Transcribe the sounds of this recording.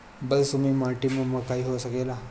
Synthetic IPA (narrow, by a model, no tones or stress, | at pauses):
bəlsumiːmaʈiməməɡkaiɦosəkela